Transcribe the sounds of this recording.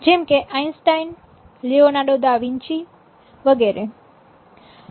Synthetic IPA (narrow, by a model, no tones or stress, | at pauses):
d͡ʒɛmkeʔajnsʈajn | lionaɖod̪aʋĩɲt͡ʃi | ʋəɡeɾe